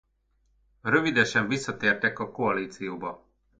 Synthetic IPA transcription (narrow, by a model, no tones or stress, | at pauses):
rø̞vid̪ɛʃɛɱvisːɒt̪eːrt̪ɛkɒko̞ɒliːt̪sijoːbɒ